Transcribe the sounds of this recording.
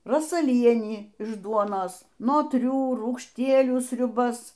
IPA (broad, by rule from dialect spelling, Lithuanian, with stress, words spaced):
roːsɐˈlʲiɛnʲiː ɪʃ ˈduɔnoːs noːtʲˈrʲuː ruːkʃʲˈtʲiɛlʲuː sʲrʲʊˈbɐs